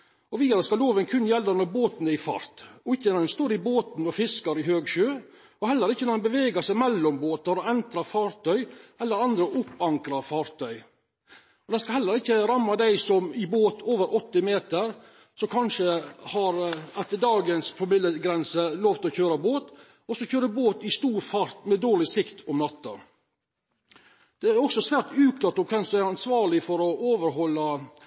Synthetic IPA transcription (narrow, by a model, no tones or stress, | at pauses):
ɔʋiːɑɾəskɑloːʋənkʰʉnːjɛlːənɔɾboːt̪nəɪfɑ̰ɾt̪ɔɪçːənɔd̪ɛnst̪oːɾɪboːt̪n̩ɔfɪskɑɾɪɦøːɡʃøː | ɔhɛlːəɾɪçːənɔɛnbəʋeːɡɑsɛmɛlːɔmboːt̪ɑɾɔɛnt̪ɾɑfɑːɾt̪ʰœʏɛlːəɾɑnd̪ɾəʔʊpːɑŋkɾɑfɑːɾt̪ʰœʏ | ɔd̪ɛskɑhɛlːəɾɪçːəɾɑmːɑd̪æɪsɔmɪboːt̪ʰoːʋəɾʔɔt̪ːɪmeːt̪əɾ | sɔkʰɑnʂəhɑɾæt̪əd̪ɑːɡənspʰɔmɪd̪əɡɾɛnsəloːʋt̪ɔçøːɾɑboːt̪ | ɔsɔçøːɾəboːt̪ɪst̪uːɾfɑɾt̪mɛd̪oːɭɪsɪkt̪ɔmnɑt̪ːə̰ | d̪̥ɛæɾɔksɔsʋæːɾt̪ʉːkt̪ɑt̪ːɔkʰɛnsd̪æɪɾɑnsʋɑːɾɭɪfɔɾɔʔoːʋəɾɦɔlːɑ